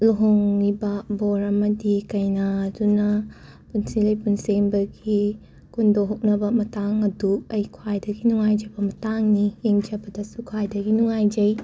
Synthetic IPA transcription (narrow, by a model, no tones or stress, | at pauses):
luɦoŋnibaboɾɐmɐdikɐjnaːdunɐ | punsilɐjpunseŋbɐɡi | kundoɦok̚nɐbɐmɐtaŋɐduɐjkʰuajdɐɡinuŋajd͡ʒɐbɐmɐtaŋnieŋd͡ʒɐbɐdɐsukʰwajdɐɡinuŋajd͡ʒɐj